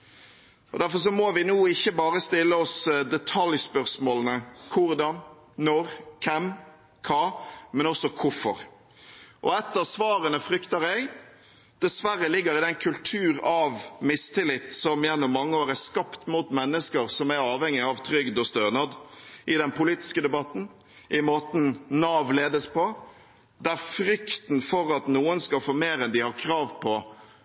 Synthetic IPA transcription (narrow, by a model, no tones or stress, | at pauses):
ɔd̪æɾfɔɾs̬ɔmɔʋɪnuːɪçːəbɑːʁəst̪ɪlːəɔsd̪ɛt̪ʰɑljspœʁsmoːlənəkʰʊɾd̪ɑn | nɔɾkʰɛm | kʰɑːmɛnɔsɔkʰʊfɔɾ | ʔɔ̰ɛt̪ːəʁsʋɑːɾənəfɾʏkt̪əɾɛɡ | d̪̥ɛsʋæɾːəlɪɡːəɾɪd̪ɛnkʰʉlt̪ʰʉːɾɑʋmɪst̪ʰɪlɪt̪ːsɔmjɛnːʊmːɑŋːəoːɾæskɑpt̪mut̪mɛnːəskəɾsɔmæɾɑːʋhɛŋːɪɑʋt̪ʰɾʏɡd̪ɔst̪øːnɑd̪ʔɪd̪ɛnpʰʊliːt̪ɪ̥skəd̪ɛbɑt̪n̩ | ʔɪmoːt̪n̩nɑːʋleːd̪əspʰɔ | d̪æɾfɾʏkt̪n̩fɔɾɑt̪nuːənskɑlfoːmeːɾɛnd̪ɪhɑɾkʰɾɑːʋpʰɔ